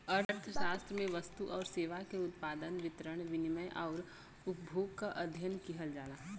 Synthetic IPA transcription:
ɐɾɾt̪ʰəʃaːst̪ɾəmẽʋɐst̪uʔɔːɾseːʋakeʊt̪paːd̪ənʋɪt̪ɾəɽ̃ʋɪnɪməjʔɔːɾ | ʊp̚bʱoːɡkaʔɐd̪ʱjənkiɦəld͡ʒaːlaːɦ

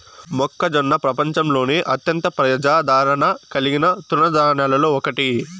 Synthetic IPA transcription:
mɔkːɐd͡ʒɔnːɐpɾɐpɐɲt͡ʃɐmlo̞ːniʔɐt̪jɐnt̪ɐpɾɐɐd͡ʒaːd̪ʱaːɾɐɳɐkɐliɡinɐt̪unɐd̪aːɳɐlɐloːɔkɐʈi

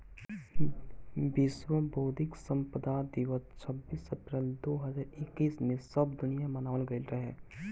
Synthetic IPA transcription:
bɪswəboːd̪ʱɪksə̃mpəd̪ad̪iʋəst͡ʃʰəbːiːsəpɾɛːld̪oːɦəzaːɾɪkːiːsmẽsəbd̪ʊnijamənaːlɡəilɾəɦɛː

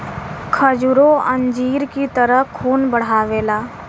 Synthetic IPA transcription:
kʰəd͡ʒuɾoə̃nd͡ʒiːɾkit̪əɾəɦkʰːuːnbəɽ̤aːʋeːlaː

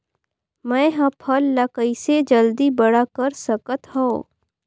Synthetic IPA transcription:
mɛ̃ːɦɐ̃pʰəlːəkəised͡ʒəld̪ibəɽakəɾsəkət̪ɦõː

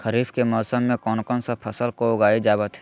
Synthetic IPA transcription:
kʰɐɾiːbʰkemɔːsəmːẽkɔːnkɔːnsapʰɐsəlkoʊɡaːed͡ʒaːbət̪ɦɛ

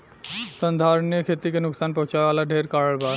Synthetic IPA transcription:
sənd̪ʱaɾonijokʰet̪ikenuksanpɔ̃t͡ɕaealaɖʱeɾkaɾəɭba

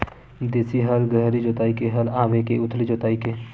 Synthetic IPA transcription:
d̪eːsiɦəlɡɾəɦɾid͡ʒoːt̪aːikeɦəlaːʋekeʊt̪ʰlid͡ʒoːt̪aːikeː

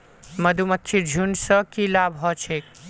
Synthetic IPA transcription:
mɐd̪ʱumɐt̪ːʃʰid͡ʒʱunsəkilaːbɦɔt͡ʃʰeːk

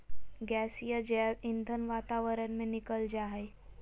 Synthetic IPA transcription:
ɡæsijad͡ʑaind̪ʱənʋat̪aʋəɾənmenikəld͡ʑaɦej

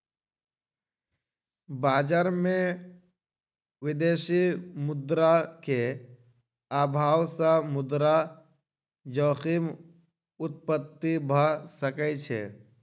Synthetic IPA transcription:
baːd͡ʒaːɾmẽ | ʋɪd̪eːsimʊd̪ɾake | aːbʱaːwsãmʊd̪ɾa | d͡ʒoːxim | ʊt̪̚pət̪ːibʱəsəkɛt͡ʃʰḛ

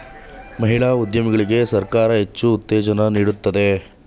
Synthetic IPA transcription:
mɐɦiɭaːud̪jɐmɐɡɐɭiɡe̞sɐɾkaːɾɐɦe̞t͡ʃːuːt̪ːɛːd͡ʒɐnɐniːɽut̪ːɐd̪e̞

